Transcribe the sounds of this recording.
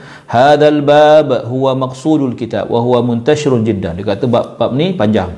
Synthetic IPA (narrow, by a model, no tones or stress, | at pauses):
haðalbaːbɦuwamaksuːdalkit̪a̰bwʔa̰ɦuwamʊnt̪aʃiɾʊnd͡ʒidːa̰ndikat̪əbap̚bap̚nipaɲd͡ʒaŋ